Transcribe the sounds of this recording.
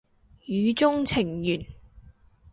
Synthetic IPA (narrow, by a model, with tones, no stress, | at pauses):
jyː˨˧t͡sʊ˥ŋt͡sʰɪ˨˩ŋjyː˨˩n